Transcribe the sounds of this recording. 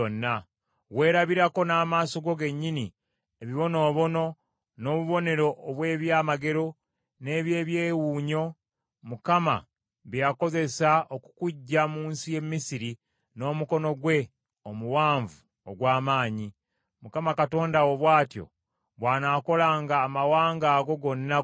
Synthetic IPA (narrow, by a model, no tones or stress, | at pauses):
onːa | we̞ːɾaβiɾako̞naːmaːso̞ɡo̞ɡe̞ɲːini | eβiβo̞no̞ːβo̞no̞ | no̞ːβuβo̞ne̞ɾo̞ʔːβwe̞ːβjaːmaɡe̞ɾo̞ | ne̞ːβje̞ːβjeːwuːɲo̞ | mukama̰ | βjako̞ze̞saoku̥kuɟːamuːnsije̞mːisiɾi | no̞ːmuko̞no̞ɡwe̞ | omuwaːɱvu | oɡwaːmaːɲi | mukamakato̞ːndawoβwaːtjo̞̰ | βwaːnaːko̞laːŋɡaːmawaːŋɡaːɡo̞ɡo̞nːa